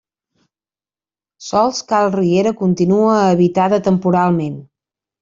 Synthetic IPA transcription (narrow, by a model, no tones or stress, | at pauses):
sɔlˠskalˠrieɾəkunt̪inuəːβit̪aðət̪əmpuɾalˠmen